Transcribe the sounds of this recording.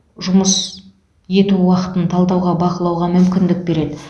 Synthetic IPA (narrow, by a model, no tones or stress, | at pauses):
ʒʊməs | je̞t̪uwɑqə̥t̪ənt̪ʰɑlˠd̪ɑwʁɑbɑqəlˠɑwʁɑmʏmkʲɪnd̪ɪk̚be̞ɾe̞d̪ɪ